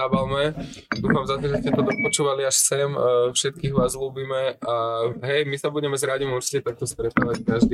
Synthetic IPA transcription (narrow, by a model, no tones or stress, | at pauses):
abalmɛ | d̪uːfamzat̪ɔʒɛscɛt̪ɔt̪ɔpɔt͡ʃuːʋaliaʃsɛmfʃɛt̪̚kiːɣʋaːzluːbiːmɛʔaɦɛjmisabuɟɛmɛzɾaɟimuɾt͡ʃi̥cɛt̪ak̚t̪ɔst̪ɾɛt̪aːʋackaʒd̪iː